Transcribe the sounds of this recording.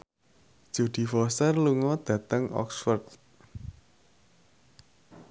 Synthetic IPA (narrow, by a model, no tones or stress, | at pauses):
d̥ʒ̥o̤d̪̥i̤fɔsərluŋɔd̪̥ä̤t̪əŋɔ̰ksfərt̪